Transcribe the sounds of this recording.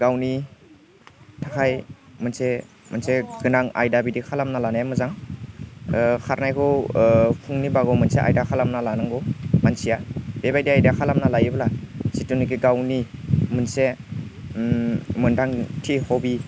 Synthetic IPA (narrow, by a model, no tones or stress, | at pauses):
ɡawni | tʰakʰajmɯnse | mɯnseɡɯnaŋa̰jdabidikʰalamnalanajamɯzaŋ | kʰaɾnajkʰɔwpʰuŋnibaɡɔmɯnseʔa̰jdakʰalamnalanɯŋɡɔmansijab̥ebajdiajdakʰalamnalajiblasitunikiɡawnimɯnse | mɯndaŋtʰihɔbi